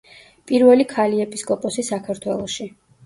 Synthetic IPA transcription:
pʼiɾvɛlikʰaliɛpʼiskʼɔpʼɔsisakʰaɾt̪ʰwɛlˠɔʃi

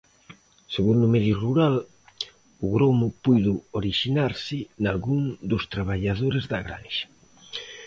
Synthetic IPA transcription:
seɣund̪ʊmɛðjʊruɾal | ʊɣɾomʊpujðʊoɾiʃinaɾsɪnalɣuŋd̪ʊst̪ɾaβ̞aʎað̞oɾezðaɣɾa̰nʃḁ

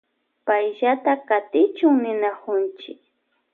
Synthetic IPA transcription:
pajʎat̪akat̪ɪt͡ʃʊŋnɪnakʊnt͡ʃɪ̰k̚

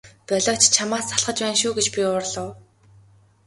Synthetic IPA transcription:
pœɮɔːt͡ɕt͡ɕʰamaːsaɮχə̆t͡ɕpæːnʃuːɡet͡ɕpʲiʊːrɮə̆w

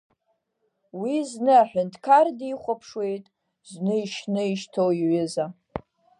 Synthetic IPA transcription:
wiznɨaħʷᶣʊntʰkʰardiχʷapʰʂwe̞jtʼ | znɨiʃnɨiʃtʰowiʕʏza

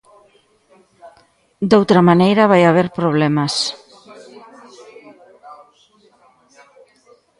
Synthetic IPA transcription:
d̪owt̪ɾɐmanejɾɐβajaβ̞eɾpɾoβ̞lɛmɐs

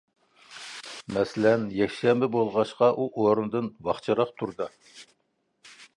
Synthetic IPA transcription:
mɛsɪlɛnjɛkʲʃɛmbɪbolˠʁɑʃqɑʔuʔoɾund̪ɨnwɑχt͡ʃʰɑɾɑχt̪ʰuɾd̪ɑ

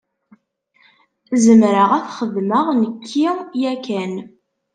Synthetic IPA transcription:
zəmɾəʁæθχəðməʁnəkʰːijækæn

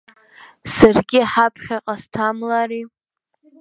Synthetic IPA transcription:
sarɡʲɪħapʰχʲaqʼastʰamlari

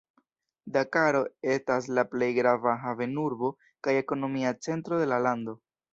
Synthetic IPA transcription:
dakaɾo̞e̞stas̬laple̞jɡɾavaɦave̞nuɾbo̞ | kaje̞ko̞no̞miat͡se̞ntɾo̞de̞lalando̞

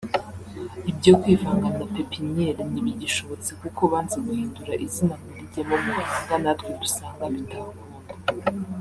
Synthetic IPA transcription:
ibɟokwiːvaːŋɡanapepiɲeɾniβiɟiʃo̞βo̞t͡sekuko̞βaːnzeɡuhiːnduɾaʔizinamuɾiɟemomuhaiɡanatɡwedusaːŋɡaβitʰaɡu

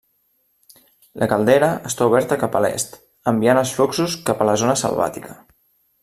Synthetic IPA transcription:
lʔəkəlˠd̪ɛɾəəst̪auβ̞ɛɾt̪əkapə̰lɛ̰st̪ | əmbianəsfloksuskapələzonəsə̰lˠβa̰t̪ikə

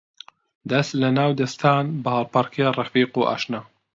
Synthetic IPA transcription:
d̪ɐst̪lɐnaːwd̪ɐst̪ʰaːnbɐhɑlˠpaɾkʰijaːrɑfiːquːʔa̰ːʃnaː

